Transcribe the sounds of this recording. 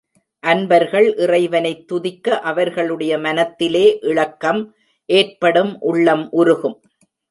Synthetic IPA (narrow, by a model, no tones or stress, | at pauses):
ʔɐnbɐɾɣɐɭʔɪrɐɪʋɐnɐɪt̪ːʊðɪkːɐʔɐʋɐɾɣɐɭɯɽɐjɐmɐnɐt̪ːɪleːʔɪɭɐkːɐm | ʔeːrpɐɽɯmʔʊɭːɐmʔʊɾʊɣɯm